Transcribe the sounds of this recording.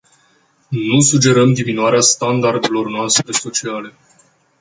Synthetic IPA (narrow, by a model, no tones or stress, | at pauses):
nusud͡ʒe̞ɾəmd̪iminuaɾeast̪and̪ard̪elo̞rnoast̪ɾe̞so̞t͡ʃiale̞